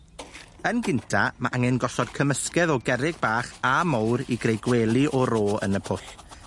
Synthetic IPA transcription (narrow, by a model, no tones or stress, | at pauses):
ənɡɪntʰamaʔaŋɛnɡɔsɔd̥kʰəməskɛðɔɡɛɾɪɡ̚baːχamowɾiɡrejɡwelˠɨʔɔɾoːə̰nəpʰʊɬ